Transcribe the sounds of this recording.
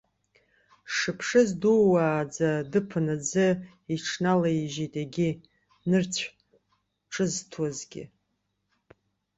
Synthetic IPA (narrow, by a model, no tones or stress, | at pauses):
ʂɨpʰʂɨzduwaːd͡zadɨpʰɨnad͡zɨ | iʈ͡ʂʰnalaʒitʼaɡʲɪ | nɨrt͡sʷʰ | ʈ͡ʂʼɨztʰwazɡʲɪ̰